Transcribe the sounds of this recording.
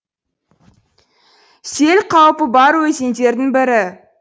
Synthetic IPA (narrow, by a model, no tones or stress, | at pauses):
se̞lqʰɑwpəbɑɾwɵzend̪e̞ɾd̪ɪŋbɪɾɪ